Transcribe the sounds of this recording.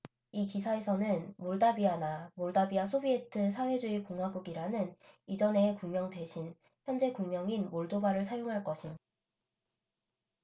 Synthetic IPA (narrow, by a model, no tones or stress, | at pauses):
ikisʰae̞sʰʌnɯnmoɭdabianamoɭdabiasʰobie̞tʰɯsʰawe̞d͡ʑuikoŋɦwaɡuɡiɾanɯnid͡ʑʌne̞ːkuŋmjʌŋde̞ɕʰin | çjʌnd͡ʑe̞kuŋmjʌŋinmoɭdobaɾɯɭs̬ʰajoŋɦaɭk͈ʌɕʰin